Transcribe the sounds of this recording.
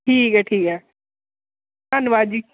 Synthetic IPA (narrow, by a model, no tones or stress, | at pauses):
ʈʰiːkɛʈʰiːkɛː | anʋaːd͡ʒi